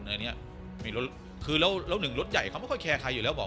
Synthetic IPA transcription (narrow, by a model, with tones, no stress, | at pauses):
naː˧ni˦˥ɐ | ma˥˩lo˦˥ | kʰɯː˧lɛ˦˥wlɛː˦˥˩wnɯ˨˩ŋlo˦˥t̪̚ja˨˩jkʰa˧˩m˥˩jkʰɔ˥˩jkʰɛː˧kʰaː˧jːuː˨˩ɛː˦˥wbɔː˨˩